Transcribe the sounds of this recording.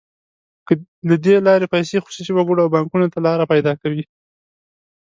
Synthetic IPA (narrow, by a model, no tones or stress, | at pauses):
klad̪elɑɾepajsexoʃit͡ʃiwaɡoɽawbɑŋkunot̪alɑɾapajd̪ɑkawi